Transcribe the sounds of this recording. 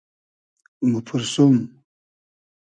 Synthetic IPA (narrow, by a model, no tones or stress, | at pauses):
mupʰuɾsum